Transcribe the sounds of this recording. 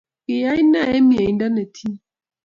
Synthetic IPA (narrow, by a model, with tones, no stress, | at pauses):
ki˨ja˦i˦na˦˨ɛ˦mi˨a˨i˨nda˦nɛ˨tʰi˦